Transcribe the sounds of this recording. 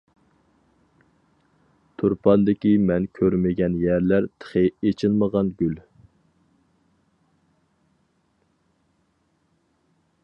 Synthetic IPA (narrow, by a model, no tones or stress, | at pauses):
t̪ʰuɾpʰɑnd̪ɪkʲimɛnkʲʰøɾmɪɡʲɛnjæɾlæɾt̪ʰə̥χeet͡ʃʰɪlˠməʁɑnɡʲyl